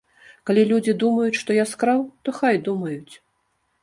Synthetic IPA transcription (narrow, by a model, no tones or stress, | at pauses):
kalʲilʲud͡zʲid̪umɐjut͡sʲʂt̪ɔjaskɾawt̪ɔxajd̪umɐjut͡sʲ